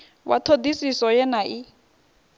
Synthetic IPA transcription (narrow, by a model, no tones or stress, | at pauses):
wa̰tʰod̪isisɔjɛnaʔi